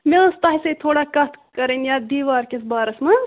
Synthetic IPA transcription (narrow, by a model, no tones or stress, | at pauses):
mest̪ɐɦisɐt̪ʰoːɽakɐt̪ʰkɐɾenjad̪iːʋaːɾkesbaːɾɐsmɐ